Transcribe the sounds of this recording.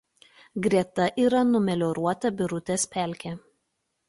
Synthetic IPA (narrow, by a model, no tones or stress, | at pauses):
ɡɾʲiɛt̪ɐʔiːɾɐnʊmʲɛlʲɔɾuɔt̪ɐbʲɪɾʊt̪ʲɛspʲæˑlʲkʲɛ